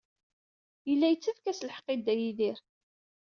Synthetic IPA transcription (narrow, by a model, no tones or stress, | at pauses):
jəlːæjət͡sːæfkæsləħə̥qːɪd̪ːæjiðiɾ